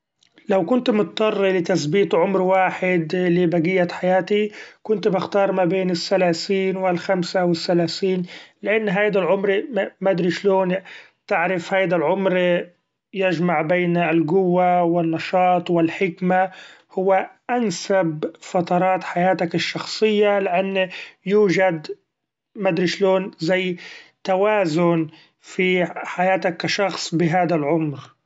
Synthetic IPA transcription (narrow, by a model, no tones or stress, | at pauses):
lawkʊnt̪mʊt̪t̪ːɑrˤːilɪt̪asbiːt̪ʕʊmɾwaːħɪd̪lɪbaɡɪjːaħajaːt̪ikʊnt̪bɪxt̪ɑːɾˤmabeːnɪsːalaːsiːnwɪlxamsawɪθːalaːθiːnlɪʔanːɦajd̪alʕʊmɾmad̪ɾiʃloːn | t̪ɪʕɾɪfhajd̪alʕʊmɾ | jɪʒmaʕbeːnɪlɡʊwːawɪnːɑʃɑːt̪ˤwɪlħɪkmahʊwːaʔansabfɑt̪ɑɾˤɑːt̪ħajaːt̪akɪʃːɑxsˤɨjːalɪʔanːjuːʒad̪ | mad̪ɾiʃloːnzajːt̪awaːzʊn | fiħajaːt̪akːaʃɑxsˤbɪɦaːd̪alʕʊmɾ